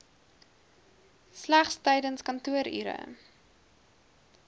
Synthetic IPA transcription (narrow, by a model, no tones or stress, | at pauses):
slæχstəjdənskɐntuəɾḭɾə̰